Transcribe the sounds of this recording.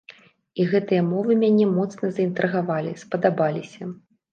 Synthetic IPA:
iɣɛt̪ɨjɐmɔvɨmʲanʲɛmɔt̪snɐzɐint̪ɾɨɣavalʲispɐd̪abalʲisʲɐ

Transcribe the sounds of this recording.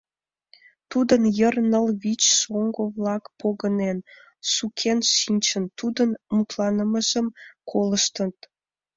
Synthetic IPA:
t̪ud̪ənjərnəlβit͡ɕʃoŋɡoβlɑkpʰoɣənen | ʃukʰenʃinʲt͡ɕənt̪ud̪ənmut̪lɑnəməʒəmkʰoləʃt̪ət̪̚

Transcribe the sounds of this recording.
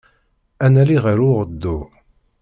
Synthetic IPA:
ænæliʁəɾuʁəd̪ːu

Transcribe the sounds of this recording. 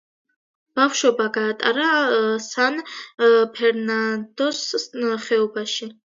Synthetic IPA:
b̥afʃɔbaɡaːt̪ʼa̰ɾasanpʰɛɾnand̪ɔsχɛɔbaʃi

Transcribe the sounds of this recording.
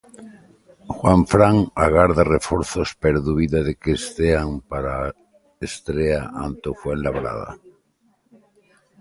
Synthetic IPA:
xwaɱfɾaŋaɣaɾðarefoɾθospeɾðuβiðaðekest̪eaŋpaɾa | est̪ɾeaʔant̪ofwenlaβɾa̰ða̰

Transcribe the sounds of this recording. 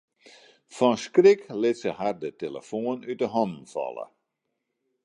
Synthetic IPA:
fɔnskrɪklɪtsəɦardətelə̰foənytdəɦɔndn̩fɔ̰lˠə̰

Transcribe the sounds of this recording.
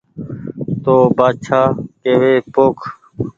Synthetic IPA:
t̪oːbaːt͡ʃʰaːkeːʋeːpoːkʰ

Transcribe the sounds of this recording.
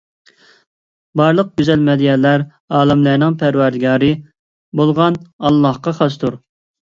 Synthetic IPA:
bɑɾlˠəq̚ɡʲyzɛlmɛd̪ijɛlæɾ | ɑːlˠɪmlæɾnɪŋpʰæɾwæɾd̪ɡʲɑːɾɨ | bolˠʁɑnɑlˠːɑhqɑχɑst̪ʰuɾ

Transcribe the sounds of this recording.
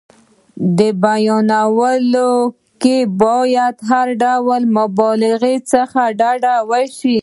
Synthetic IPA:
d̪əbajɔnawəlo | kebɔjad̪ɦaɾɖawəlmʊbɔlɪɣet͡səxaɖaɖawəʃi

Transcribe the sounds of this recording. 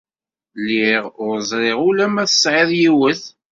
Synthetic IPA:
lːiʁʊɾzˤɾˤeʁʊlæmæθə̥sʕɪðˤjiwəθ

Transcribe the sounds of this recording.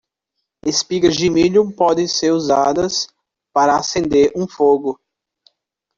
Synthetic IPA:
espiɡɐzd͡ʒɪmiʎũpɔd̪ẽseɾuzad̪ɐs | paɾɐːsẽnd̪eɾũfoɡʊ

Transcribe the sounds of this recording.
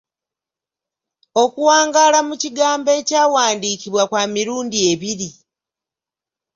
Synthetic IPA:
o̞kuwaːŋɡaːlamuciɡaːmbe̞caːwaːndiːciβwakwaːmiɾuːndie̞βiɾi

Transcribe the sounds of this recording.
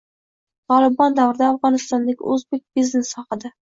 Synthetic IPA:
t̪ʰɒlˠɪbɒnd̪avɾɪd̪aːfʁɒnɪst̪ɒnd̪aɡʲɪ̰ɵzbek̚ʲbiznesːɒqɨd̪ɪ

